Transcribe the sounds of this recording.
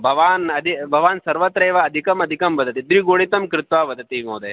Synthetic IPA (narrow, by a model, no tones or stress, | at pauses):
bʱɐʋaːnɐd̪ʱibʱɐʋaːnsɐɾʋɐt̪ɾeːʋɐːd̪ʱikɐmɐd̪ʱikɐmʋɐd̪ʱɐt̪id̪ɾiɡoːɽit̪ɐmkɾɪt̪ʋaːʋɐd̪ʱɐt̪imoːd̪e